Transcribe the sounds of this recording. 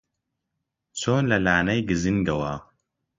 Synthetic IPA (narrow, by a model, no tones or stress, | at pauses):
t͡soːnlɐlaːnɐjɡizɨŋɡɐwaː